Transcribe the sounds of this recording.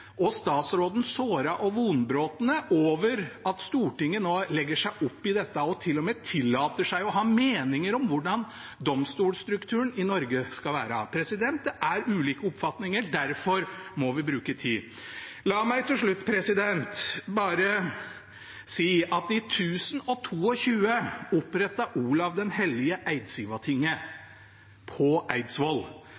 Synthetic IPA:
ʔɔst̪ɑːt̪sɾoːd̪n̩soːɾɑʔɔʋuːnbɾoːt̪ənəʔoːʋəɾɑt̪st̪uːʈɪŋːənoːlɛɡːəʂæɪʔʊpːɪd̪ɛt̪ːəɔt̪ʰɪlːɔmeːt̪ʰɪlːɑːt̪əʂæɪɔɦɑːmeːnɪŋəɾɔmʋʊɖɑn | d̪ɔmst̪uːlst̪ɾʉkt̪ʰʉːənɪnɔɾɡəskɑlʋæ̰ːɾəpʰɾɛsɪd̪ɛnt̪əʔæɾʉːliːkəɔpfɑt̪nɪŋəɖæɾfɔɾmɔʋɪbɾʉːkət̪ʰiː | lɑːmæɪt̪ʰɪlʂɭʉt̪ːpʰɾɛsɪd̪ɛnt̪bɑːɾə | siːʔɑt̪̚ɪt̪ʰʉːsənɔt̪ʰuːɔçʉːəʊpɾɛt̪ːɑʔuːlɑʋd̪ɛnhɛlɪəʔæɪd̪siːʋɑt̪ʰɪŋːə | pʰɔʔæɪd̪sʋɔl

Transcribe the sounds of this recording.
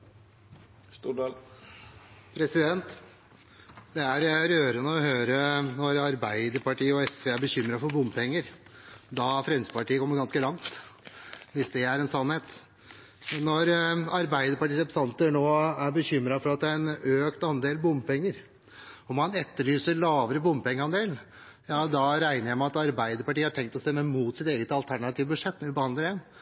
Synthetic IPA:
pʰɾɛsɪd̪ɛnt̪ | d̪ɛæɾɾøːɾənəɔhøːɾənɔɾɑɾbæɪd̪əɾpɑʈiːəɔɛsʋeːæɾbəçʏmːɾɑfɔɾbʊmpʰɛŋːəɾ | d̪ɑfɾɛnsəpɑʈiːəkʰɔmːəɾɡɑnskəlɑŋt̪ | ʋɪsd̪ɛæɾɛnsɑnheːt̪ | nɔɾɑɾbæɪd̪əɾpɑʈiːsɛpsɑnt̪ənoːæɾbəçʏmɾɑfɔɾɑt̪̚d̪ɛæɾɛnøːkt̪ɑnd̪eːlbʊmpɛŋːəɾ | ɔmɑnɛt̪ːəɭyːsəɾɭɑːʋəɾəbʊmpɛŋːəɾɑnd̪eːln̩ | jɑːd̪ɑɾæɪnəɾjæɪmɛɑt̪ɑɾbæɪd̪əɾpɑʈiːəhɑʈʰɛŋkt̪ɔst̪ɛmːəmuːt̪sɪt̪eːɡət̪ɑlt̪ʰæɳɑt̪ʰiːʋəbʉd̪ʂɛt̪ːnɛɪbəhɑnd̪əɾjɛn

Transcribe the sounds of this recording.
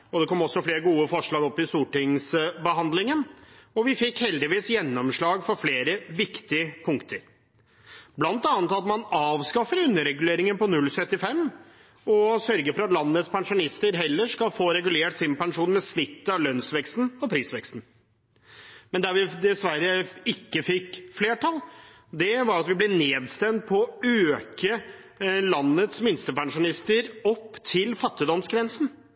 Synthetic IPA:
ɔd̪ɛkʰɔmːɔsːɔfleːɾəɡuːəfɔʂɭɑːɡɔpːɪst̪uːʈɪŋsbəɦɑnd̪lɪŋənɔʋɪfɪkhɛld̪ɪʋiːsjɛnːɔmʂɭɑːɡfɔɾfleːɾəʋɪkt̪ɪəpʰʊŋkt̪ʰəɾ | blɑnt̪ɑːnət̪ɑt̪mɑnɑːʋskɑfəɾʉnːəɾɛɡʉleːɾɪŋənpɔnʉlːsœt̪ːɪfɛmː | ɔsœɾɡəfɔɾɑt̪lɑnːət̪spʰɛŋʂʊnɪst̪əɾɦɛlːəʂkɑlfoːɾɛɡʉleːʈsɪmpɛŋʂuːnmɛsnɪt̪ːəɑʋlœnsʋɛkst̪n̩ɔpɾiːsʋɛkst̪n̩ | mɛnd̪æɾʋɪd̪ɛsʋæɾəɪkːəfɪkːfleːʈʰɑl | d̪ɛʋɑɾɑt̪ʋɪblɛneːd̪st̪ɛmt̪̚pʰɔːøːkə | lɑnːət̪smɪnst̪əpɛŋʂʊnɪst̪əɾɔpːt̪ʰɪlfɑt̪ːɪd̪ɔmsɡɾɛnsn̩

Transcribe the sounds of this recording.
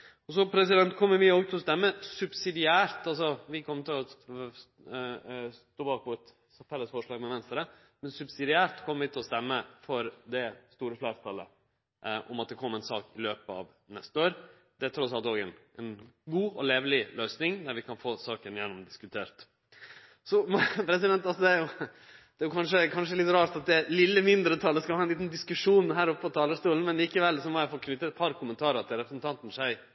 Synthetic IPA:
ɔsɔpʰɾɛsɪd̪ɛnt̪kʰɔmːəɾʋɪoːɡt̪ʰɪlɔst̪ɛmːəsʉbsɪd̪ɪæːɾt̪ɑlsɔʋɪkʰɔmːəɾt̪ʰɪlɔ | st̪oːbɑːkʋʊt̪ | t̪ʰɛlːəsfɔʂɭɑːɡmɛʋɛnst̪ɾə | mɛnsʉbsɪd̪ɪæːɾt̪kʰɔmːəɾʋɪt̪ʰɪlɔst̪ɛmːəfɔɾd̪ɛst̪uːɾəflæːɾt̪ʰɑlə̰ | ʔɔ̰mɑt̪̚d̪ɛkʰɔmːəɛnsɑːkɪløːpəɑ̰ʋ | nɛst̪əoːɾ | d̪̥ɛæt̪ʰɾɔt̪sɑlt̪oːɡɛnʔɛnɡuːɔleːʋlɪlœʏsnɪŋd̪æɾʋɪkʰɑnfoːsɑːkənjɛnːɔmd̪ɪskʉt̪ʰeːɾt̪ | sɔmɔpʰɾɛs̬ɪd̪ɛnt̪ɑlsɔd̪ɛæɾjʊ | d̪̥ɛæːjʊkʰɑnʂəkʰɑnʂəɛlɪt̪ɾɑːɾʈ̪ɑt̪̚d̪ɛæɾlɪlːəmɪnd̪ɾət̪ʰɑləskɑlhɑːɛnliːt̪nd̪ɪskʉʂuːnɦæːɾɔpːəɔt̪ʰɑːləʂt̪uːln̩mɛnliːkəʋɛlsɔmɔjæɪfoːkʰnʏt̪ːətɛt̪̚pʰɑɾkʰʊmənt̪ʰɑːɾəɾɑt̪əɾɛpɾəsnt̪ʰɑnt̪n̩ʂæɪ

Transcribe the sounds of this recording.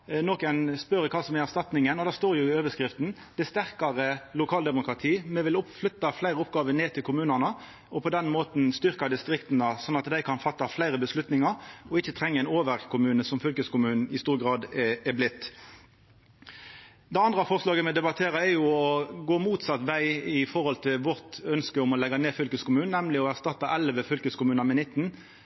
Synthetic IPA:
nɔkæɪnspœɾəkʰɑːsɔmɛæʁst̪ɑt̪nɪŋənɔd̪æst̪oːɾjʊɪøːʋəskɾɪft̪n̩d̪̥æɪst̪æʁkɑʁəlʊkʰɑːld̪ɛmʊkɾɑt̪ʰiːmɛʋɪlʊpflʏt̪ːɑflæɪʁəɔpɡɑːʋəneːt̪ʰɪlkʰʊmʉːnənə | ɔpʰɔd̪ɛnmoːt̪n̩st̪ʏʁkɑd̪ɪst̪ɾɪkt̪nəsɔnːɑt̪d̪æɪkʰɑnfɑt̪ːɑflæɪɾəbəslʉt̪nɪŋɑɾɔɪçːət̪ʰʁɛŋːəɛɪnoːʋəɾkʰʊmʉːnəsɔmfʏlkəskʊmʉːnn̩ɪst̪uːʁɡʁɑːd̪ɛblɪt̪ː | d̪ɛɑnd̪ʁɑfɔʁslɑːɡəmɛd̪ɛbɑt̪ʰeːɾəɛɾjʊɔɡoːmuːt̪sɑt̪ʋæɪɪfɔʁhɔlt̪ʰɪlʋɔʁt̪œnskəʊmɔlɛɡːɑneːfʏlkəskʊmʉːnɛmlɪɔæʁst̪ɑt̪ːɑʔɛlʋəfʏlkəskʊmʉːnɑmɛnɪt̪ːn̩

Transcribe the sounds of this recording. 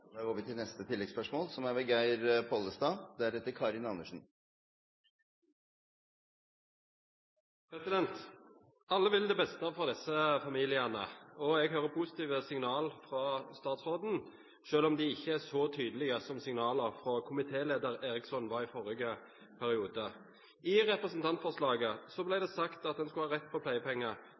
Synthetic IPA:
æoːʋət̪ɪlnɛst̪ət̪ʰɪlːɛɡspœʂmoːlsɔmæɾbɛɡæɪɾpʰɔlːəst̪ɑːd̪æɾɛt̪ːəɾkʰɑɾɪnɑnːəʂn̩ | pʰɾɛsɪd̪ɛnt̪ | ɑlːəʋɪld̪ɛːbɛst̪əfɔʁd̪ɛsːəfɑmiːlɪənə̰ɔɛɡɦøːʁəpʰʊsɪ̥t̪iːʋəsɪŋnɑːlfʁɑst̪ɑːt̪sʁoːd̪n̩ | ʃøːlɔmd̪iːɪçːəæsɔt̪ʰyːd̪əlɪɡəsɔmsɪŋnɑːləʁfʁɔkʰʊmɪt̪ʰeːleːd̪əʁeːʁɪksɔnʋɑːʁiːfɔʁɪɡə | pʰæʁɪuːd̪ə | ɪʁɛpʁəsn̩t̪ʰɑnt̪fɔʁʂlɑːɡəsɔblæɪd̪ɛːsɑkt̪ɑt̪̚d̪ɛnskʉɑːʁɛt̪ːpʰɔpʰlæɪəpʰɛŋːə

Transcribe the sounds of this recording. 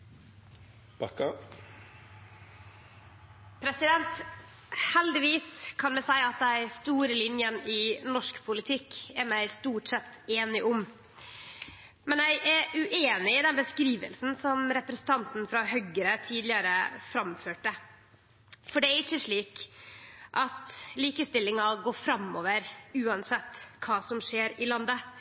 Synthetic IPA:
b̥ɑkɑ | pʰɾɛsɪd̪ɛnt̪ | hɛld̪ɪʋiːskʰɑnmɛsæɪɑt̪̚d̪æst̪uːɾəlɪnjənɪnɔʂkpʰʊlɪt̪ʰɪkːæɾmæɪst̪uːʈsɛt̪ːeːnɪʔʊm | mɛnjæɪʔæɾʉʔeːnɪɪd̪ɛnbəskɾiːʋə̰lsn̩sɔmɾɛpɾɛsən̩t̪ʰɑnt̪n̩fɾɑɦœɡəɾət̪ʰiːd̪lɪəɾəfɾɑmføːʈə | fɔɖɛæɾɪçːəʂɭiːk | ʔɑt̪liːkəst̪ɪlːɪŋɑɡoːfɾɑmːo̰ːʋəɾʉːɑnsɛt̪ːkʰɑːsɔmʂeːɾɪlɑnd̪ə

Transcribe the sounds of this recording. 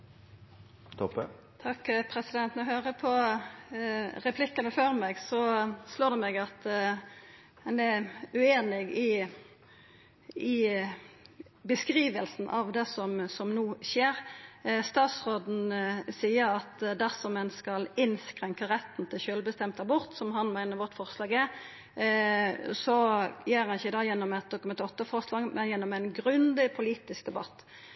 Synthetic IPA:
t̪ʰɔpə | t̪ʰɑkːpʰɾɛsɪd̪ɛnt̪nɔhøːʁəpʰɔ | ɾɛpʰlɪkːɑnəføːɾmɛɡsɔsloːd̪ɛmɛɡɑt̪ | ɛnɛʉeːnɪɡɪ | ɪ | bəskʁiːʋəlsn̩ʔɑʋd̪ɛsɔmsɔmnuːʃeːʁst̪ɑːt̪sʁoːd̪n̩siːəɾɑt̪d̪æʁsɔmɛnskɑlɪnskʁɛŋkəʁɛt̪n̩t̪ʰɪlʃøːlbəst̪ɛmt̪ɑbɔʁt̪sɔmɦɑnmæɪnəɾʋɔt̪ːfɔʁslɑːɡɛ | sɔjeːʁɑnɪçəd̪ɑːjɛnːɔmɛt̪̚d̪ʊkʉmɛnt̪ɔt̪ːəfɔʁslɑːɡmʔɛnjɛnːɔmɛnɡʁʉnd̪ɪpʰʊliːt̪ɪskd̪ɛbɑt̪ː

